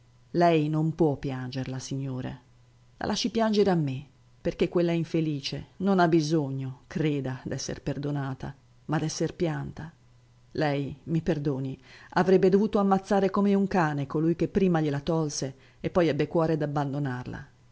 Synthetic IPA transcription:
lɛjnompwɔpːjand͡ʒerlasiɲːoːɾḛ | la̰lʔaʃːipjand͡ʒeɾeamːe | perk̟ekːwelːaɛiɱfeliːt͡ʃenonabːizoɲːokɾeːd̪ad̪ɛsːḛrperd̪onaːt̪a | mad̪ɛsːerpjant̪a | lɛjmiperd̪oːniavɾɛbːed̪ovuːt̪oamːat̪sːaːɾekomeuŋkaːnekolujk̟epːɾiːmaʎelat̪ɔlse | epːɔjɛbːekwɔːɾed̪abːand̪onarla̰

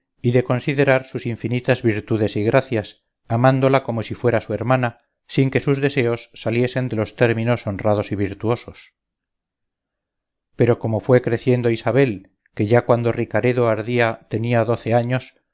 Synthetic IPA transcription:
iðe̞ko̞nsiðe̞ɾaɾsusiɱfinit̪azβiɾt̪uðe̞siɣɾaθjas | amãnd̪o̞lako̞mo̞sifwe̞ɾasue̞ɾmana | siŋke̞suzðe̞se̞o̞sːalje̞se̞nd̪e̞lo̞st̪e̞ɾmĩno̞so̞nrað̞o̞siβiɾt̪uo̞so̞s | pe̞ɾo̞ko̞mo̞fwe̞kɾe̞θje̞nd̪oisaβe̞l | ke̞ʝakwand̪o̞rikaɾe̞ðoaɾðiat̪e̞niaðo̞θe̞aɲo̞s

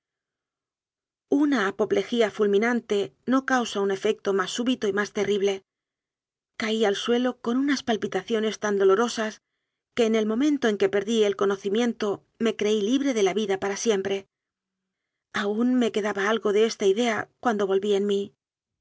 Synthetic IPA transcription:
unaːpo̞ple̞xiafulmĩnant̪e̞no̞kawsaune̞fe̞k̚t̪o̞masːuβit̪o̞imast̪e̞riβle̞ | kaialswe̞lo̞ko̞nunaspalpit̪aθjo̞ne̞st̪and̪o̞lo̞ɾo̞sas | ke̞ːne̞lmõ̞mẽ̞nt̪o̞eŋke̞pe̞ɾðie̞lko̞no̞θimjẽ̞nt̪o̞ | me̞kɾe̞iliβɾe̞ðe̞laβiðapaɾasje̞mpɾe̞ | aunme̞ke̞ðaβaalɣo̞ðe̞e̞st̪aiðe̞akwand̪o̞β̞o̞lβienmi

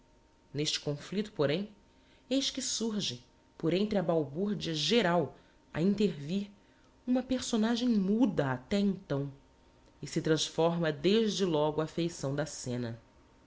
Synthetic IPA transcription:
neʃt͡ʃɪ̥kõflit̪ʊ̥poɾẽj̃ | ejʃkɪsuɾʒɪ | poɾẽnt̪ɾɪɐbawbuɾd͡ʒiɐʒeɾaw | ɐ̰ĩnt̪eɾviɾ | ũmɐpeɾsonaʒẽj̃mud̪ɐat̪ɛẽnt̪ɐ̃w̃ | ɪsɪt̪ɾɐ̃sfɔɾmɐd̪eʒd͡ʒɪlɔɡʊafejsɐ̃w̃d̪ɐsẽnɐ

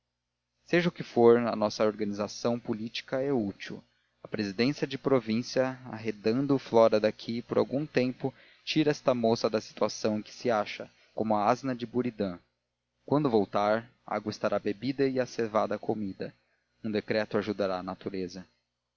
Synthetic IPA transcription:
seʒɐʊkɪfoɾɐ̰nɔsɐoɾɡɐnizasɐ̃w̃pulit͡ʃi̥kɐɛut͡ʃiw | ɐpɾezid̪ẽsiɐd͡ʒɪpɾovĩsiɐa̰ɦed̪ɐ̃nd̪ʊflɔɾɐd̪akʰipoɾʔa̰wɡũt̪ẽmpʊ | t͡ʃiɾɐɛst̪ɐmosɐd̪ɐsi̥t̪uasɐ̃w̃ẽj̃kɪ̥sɪaʃɐ | kõmʊɐaznɐd͡ʒɪbuɾid̪ɐ̃ | kwɐ̃nd̪ʊvowt̪aɾ | a̰ɡwɐɪst̪aɾʔabebid̪ɐɪasevad̪ɐːkomid̪ɐ̰ | ũd̪ekɾɛt̪ʊaʒud̪aɾaːnat̪uɾezɐ

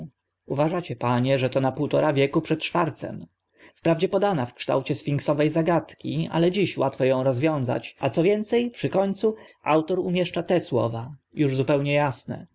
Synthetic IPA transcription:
uvaʐat͡ɕɛpaɲɛʐɛt̪ɔnapuwt̪ɔɾavʲjɛkupʂɛt̪̚t͡ʂfaɾt̪sɛ̰m | fpɾavd͡ʑɛpɔd̪anafkʂt̪a̰wt͡ɕɛsfʲiŋksɔvɛjzaɡat̪kʲia̰lɛd͡ʑiɕwat̪fɔjɔ̃w̃ɾɔzvʲjɔ̃w̃za̰t͡ɕat̪sɔvʲjɛnt̪sɛjpʂɨkɔɲt̪suʔa̰wt̪ɔɾumʲjɛʂt͡ʂat̪ɛswɔ̰vajuʐzupɛwɲɛjasnɛ̰

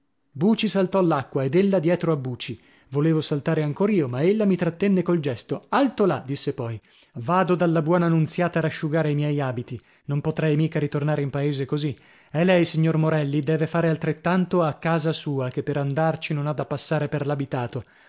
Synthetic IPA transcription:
buːt͡ʃisalt̪ɔlːakːwaed̪elːad̪jɛːt̪ɾoabːuːt͡ʃi | voleːvosalt̪aːɾeaŋkoːɾiːomaelːamit̪ɾat̪ːɛnːekold͡ʒɛst̪oalt̪olad̪isːepɔj | vaːd̪od̪alːabwɔːnaːnːunt̪sjaːt̪aɾaʃːuɡaːɾeimjɛjaːbit̪i | nompot̪ɾɛjmiːkaɾit̪ornaːɾeimpaeːzekozi | ɛlɛjsiɲːormoɾɛlːid̪ɛːvefaːɾealt̪ɾet̪ːant̪oakːaːzasuːak̟epːeɾand̪art͡ʃinonad̪ːapːasːaːɾeperlabit̪aːt̪o

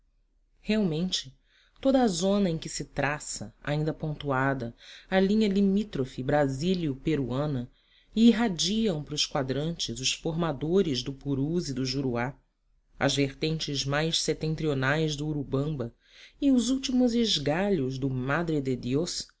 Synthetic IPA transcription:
heawmẽnt͡ʃɪ̥ | t̪od̪ɐːzõnɐẽkɪsɪt̪ɾasɐa̰ĩnd̪ɐpõnt̪uad̪ɐɐlĩɲɐlimit̪ɾofibɾaziliʊpeɾuɐ̃nɐ | ɪːɦad͡ʒiɐ̃w̃pɾʊskwad̪ɾɐ̃nt͡ʃɪzʊʃfoɾmad̪oɾɪzd̪ʊpuɾuzid̪ʊʒuɾua | ɐ̰zveχt̪ẽnt͡ʃɪzmajsset̪ẽnt̪ɾionajzd̪ʊuɾubɐ̃mbɐ | ɪʊzuwt͡ʃimʊzɪʒɡaʎʊzd̪ʊmad̪ɾed̪ed̪jos

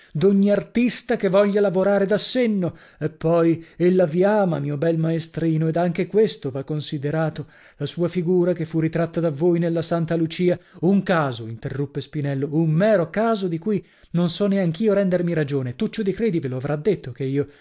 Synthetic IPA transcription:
d̪oɲːiart̪ist̪akevɔʎːalavoɾaːɾed̪asːenːo | epːɔjelːaviaːmamiːobɛlmaest̪ɾiːnoed̪aŋk̟ekwest̪ovakːonsid̪eɾaːt̪o | lasuːafiɡuːɾakefːurit̪ɾat̪ːad̪avːoːjnelːasant̪alut͡ʃiːauŋkaːzoint̪erːupːespinɛlːoummɛːɾokaːzod̪ikuj | nonsɔneaŋk̟iːoɾɛnd̪ermiɾad͡ʒoːnet̪ut͡ʃːod̪ikɾeːd̪iveloavɾʔad̪ːet̪ʰːokeiːo

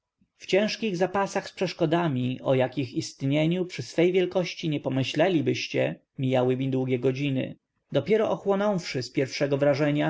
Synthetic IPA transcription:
ft͡ɕɛ̃w̃ʂkʲiɣzapasaxspʂɛʂkɔd̪amʲiʔɔ̰jakʲixist̪ɲeɲupʂɘsfɛjvʲjɛlkɔɕt͡ɕiɲɛpɔmɘɕlɛlʲibɘɕt͡ɕɛ | mʲijawɘmʲid̪wuɡʲɛɡɔd͡ʑinɘ̰ | d̪ɔpʲjɛɾɔʔɔxwɔnɔ̃w̃fʂɘspʲjɛɾfʂɛɡɔvɾaʐɛɲa

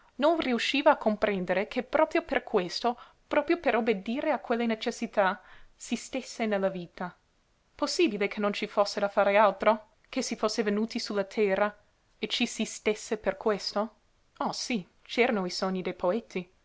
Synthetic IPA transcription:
nonriuʃːiːvaːkʰːompɾend̪eɾekʰepɾɔːpɾjoperkʰwest̪o | pɾɔːpɾjopeɾobed̪iːɾeakwelːenet͡ʃesːit̪asist̪esːenelːaviːt̪a | posːiːbilekʰenːont͡ʃifosːed̪afaːɾealt̪ɾo | kʰesifosːevenuːt̪isulːat̪ʰɛːɾa | et͡ʃisist̪esːeperkwest̪o | ɔsi | t͡ʃɛːɾanoisoɲːid̪ejpʰoet̪ːi

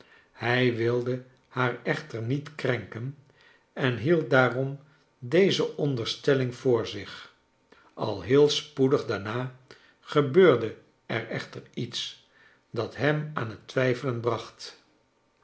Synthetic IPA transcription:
hɛjʋɪlˠdə | haːɹɛχtəɹnitkrɛŋkən | ɛnɦilˠt̚daːrɔm | dejzəʔɔndəɹstɛlɪŋvʊːɹzɪχ | ɑ̰lˠɦɪːlˠspudəχdaːɹnaː | χəbøːɹdə | ɛrɛχtəɹits | dɑtɦɛmaːnɦətʋɛjfələnbrɑχt

